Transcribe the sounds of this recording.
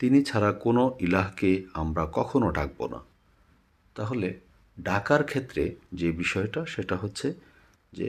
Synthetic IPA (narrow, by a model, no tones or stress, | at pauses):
t̪init͡ɕʰaɾakonoʔilaɦkeamɾakɔkʰonoʈʰak̚bo̰na̰ | t̪aɦole | ɖakaɾkʰet̪ːɾed͡ʑebiʃɔeʈaʃeʈaɦotːɕʰe | d͡ʑḛ